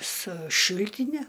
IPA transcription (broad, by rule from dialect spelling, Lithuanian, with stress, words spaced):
sʊ ˈʃʲɪlʲtʲɪnʲɛ